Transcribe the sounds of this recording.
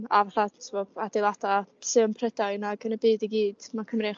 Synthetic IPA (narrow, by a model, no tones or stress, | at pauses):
a̰vaɬatʰɪvɔadɪlˠadasɨəmpʰrɛdaɨnaɡənəbiːdiɡiːd̥makʰəmreːχ